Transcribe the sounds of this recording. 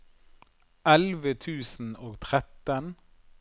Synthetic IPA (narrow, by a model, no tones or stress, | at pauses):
ʔɛlʋət̪ʰʉːsn̩oːɡt̪ʰʁɛt̪ən